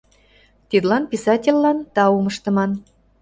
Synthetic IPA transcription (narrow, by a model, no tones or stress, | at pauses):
t̪id̪lɑnpʲisɑtʲelʲːɑnt̪ɑumɤʃt̪ɤ̆mɑn